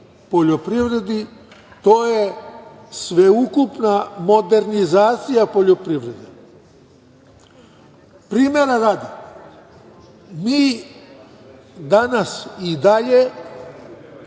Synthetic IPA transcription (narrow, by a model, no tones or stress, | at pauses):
po̞ʎopɾiʋɾe̞d̪i | t̪oːje̞ | sʋe̞ukupnamo̞d̪e̞ɾnizaːt̪sijapo̞ʎopɾiʋɾe̞d̪e | pɾiːmeɾaɾad̪i | miː | d̪anasid̪aʎe